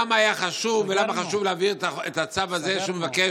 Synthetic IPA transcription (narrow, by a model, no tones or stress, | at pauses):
maːjaχaʃuvelamaχaʃuvleaviʁetaet̪at͡savaze̞ʃeumevake